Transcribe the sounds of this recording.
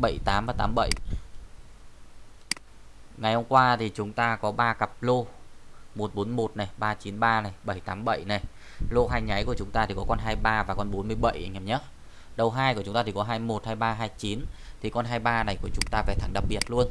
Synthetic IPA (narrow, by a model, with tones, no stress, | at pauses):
ɓə̰˧˩˨jt̪aː˨˦mvaː˨˩t̪aː˨˦mɓə̰˧˨j | ŋa˨˩jhə˧ŋ͡mkwaː˧t̪ʰi˨˩t͡ɕʊ˨˦ŋ͡mt̪aː˧kɔ˨˦ɓaː˧ka˨˩p̚lo˧ | mo˨˩t̚ɓo˨˦nmo˨˩t̚na˨˩jɓaː˧t͡ɕi˨˦nɓaː˧na˨˩jɓə˧˩jt̪aː˨˦mɓə̰˧˨jna˨˩j | lo˧ɦaː˧jɲa˨˦jku˧˩ət͡ɕʊ˨˦ŋ͡mt̪aː˧t̪i˨˩kɔ˨˦kɔ˧nɦaː˧jɓaː˧vaː˨˩kɔ˧nɓo˨˦nmɨ˧əjɓə̰˧˨jʔa˨˧˩mɲə˦˥ | ɗə˨˧˩wɦaː˧jkʊ˦ŋ͡mt̪aː˧t̪ʰi˨˩kɔ˨˦ɦaː˧jmo˨˩t̚haː˧jɓaː˧ɦaː˧jt͡ɕi˨˦nt̪ʰi˨˩kɔ˧nɦaː˧jɓaː˧na˨˩jku˧˩ət͡ɕʊ˨˦ŋ͡mt̪aː˧vaː˨˩t̪ʰa˨˧˩ŋɗa˨˩p̚ɓi˨˩ət̚lu˧ən